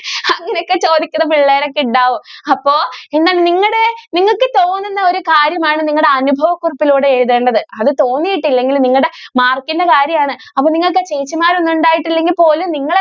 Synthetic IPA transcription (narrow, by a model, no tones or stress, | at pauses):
ɐŋːɐneokːet͡ɕo̞ːd̪ikʲːunːɐpiɭːɐjɾɐkːiɳɖaːʋumɐpːo̞ːe̞nːaːlniŋːɐɽeniŋːɐɭkːɨt̪o̞ːnːinːɐo̞ɾukaːɾjɐmaːɳɨniŋːɐɭɽe̞ɐnubʱɐʋɐkːurɐpːiluːɽeeɻuðeːɳɖɐðɨɐðɨt̪o̞ːnːijiʈːilːeŋɡilniŋːɐɭɽe̞maːrkːindɐkaːɾjɐmaːɳɨ | ɐpːoːniŋːɐɭk̬ːet͡ɕejːt͡ɕːimaːɾonːuɳɖaːjiʈːilːe̞ŋɡilpo̞ːlumniŋːɐɭe